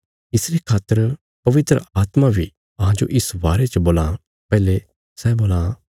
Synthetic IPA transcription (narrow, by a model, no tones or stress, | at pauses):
ɪsɾekʰaːt̪ːəɾ | pɐʋɪt̪ɾə̰aːt̪mabʱi | ɐɦãd͡ʒo̰ʔɪsbaːɾet͡ʃəboːlã | pɛːle | sɛboːlã